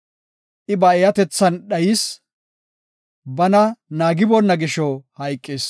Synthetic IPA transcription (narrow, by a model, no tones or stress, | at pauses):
ʔɪbɐɛjɐt̪ɛt͡sːɐnɗɐjɪs | bɐnɐnaːɡɪbɔnːɐɡɪʃɔhɐjkʼːeːs